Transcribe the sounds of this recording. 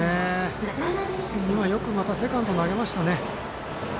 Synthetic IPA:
e | imajo̞kɯ̟mat̪ase̞kãnt̪o̞naɡe̞maɕi̥t̪ane̞

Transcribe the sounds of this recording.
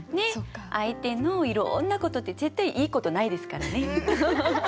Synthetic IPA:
ne̞ʔait̪e̞no̞iɾõ̰nːako̞t̪o̞t̪ːe̞ze̞t̪ːaiʔiːko̞t̪o̞naid̪e̞sɨ̥kaɾane̞

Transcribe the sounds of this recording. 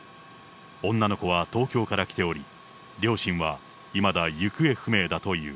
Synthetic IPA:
õ̞nːano̞ko̞β̞at̪o̞ːkʲo̞ːkaɾakʲi̥t̪e̞o̞ɾʲi | ɾʲo̞ːɕĩɰ̃βa | imad̪ajɯ̟kɯ̟e̞ɸɯ̟me̞ːd̪at̪o̞jɯ̟̰ː

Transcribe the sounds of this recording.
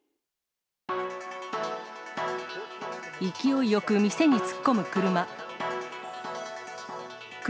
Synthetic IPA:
ikʲio̞ijo̞kɯ̟mʲise̞ɲ̟it͡sɨ̥kːo̞mɯ̟kɯɾɯ̟ma | k

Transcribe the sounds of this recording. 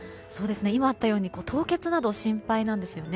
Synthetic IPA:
so̞ːd̪e̞sɨne̞imaːt̪ːajo̞ːɲ̟iko̞ːt̪ʰo̞ːke̞t͡sɨnad̪o̞ɕĩmpainãnd̪e̞sɨjo̞ne

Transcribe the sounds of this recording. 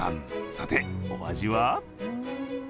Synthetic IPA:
ã̰nsat̪eoa̰ʑiβa

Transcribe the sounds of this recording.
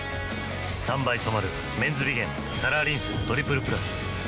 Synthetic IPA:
sãmbaisomaɾɯ̟ | mẽ̞nd͡zɨbʲiɡẽ̞m | kaɾaːɾʲĩɰ̃sɨt̪o̞ɾʲipɯ̟ɾɯ̟pɯ̟ɾasɨ̥

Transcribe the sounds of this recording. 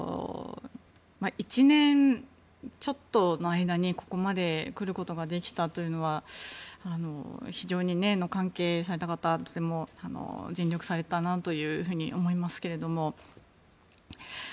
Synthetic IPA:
maʔit͡ɕinẽ̞n | t͡ɕo̞t̪ːo̞no̞aid̪aɲ̟iko̞ko̞mad̪e̞kɯ̟ɾɯ̟ko̞t̪o̞ɡad̪e̞kʲi̥t̪at̪o̞jɯ̟no̞βa | ano̞̰çiʑo̞ːɲ̟ine̞no̞kãŋke̞ːs̬aɾe̞t̪akat̪at̪o̞̥t̪e̞mo̞ano̰d͡ʑĩnʲjo̞kɯ̟̥saɾe̞t̪anat̪o̞jɯ̟ːɦɯ̟ːɲ̟iʔo̞mo̞imasɨ̥ke̞ɾe̞d̪o̞mo̞

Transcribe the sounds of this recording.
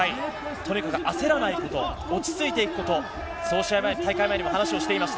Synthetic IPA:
ait̪ʰo̞ɲ̟ikakɯ̟ʔase̞ɾanaiko̞t̪o̞ | ot͡ɕi̥t͡sɨit̪e̞ikɯ̟ko̞t̪o̞ | so̞ːɕiajmat̪aikaimaeɲʲimohanaɕio̞ɕi̥t̪e̞imasɨ̥

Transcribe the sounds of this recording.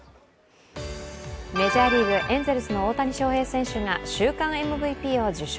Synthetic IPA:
me̞ʑaːɾʲiːβɯ̟ʔẽ̞nze̞ɾɯ̟sɨno̞oːt̪aɲ̟iɕo̞ːhe̞ːsẽ̞ɰ̃ɕɨŋaɕɨːkãɰ̃e̞mɯ̟bɯ̟ipʲiːo̞d͡ʑɨɕ

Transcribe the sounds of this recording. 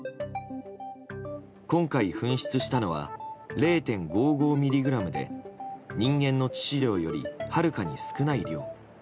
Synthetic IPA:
kõ̞ŋkaiɸɯ̟̃ɰ̃ɕi̥t͡sɨɕi̥t̪ano̞βa̰ɾe̞ːt̪ẽ̞ŋɡo̞ːɡo̞ːmʲiɾʲiɡɯ̟ɾamɯ̟d̪e̞̰ɲ̟ĩŋɡẽ̞nːo̞t͡ɕi̥ɕiɾʲo̞ːjo̞̰ɾʲḭhaɾɯ̟kaɲ̟isɨ̥kɯ̟naiɾʲo̞ː

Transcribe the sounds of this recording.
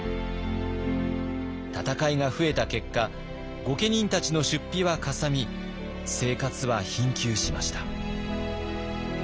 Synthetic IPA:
t̪at̪akaiŋaɸɯ̟e̞t̪ake̞kːa | ɡo̞ke̞ɲ̟ĩnt̪at͡ɕino̞ɕɨpʲːiβakasamʲi | se̞ːkat͡sɨβaçĩŋkʲɨːɕima̰ɕi̥t̪ḁ

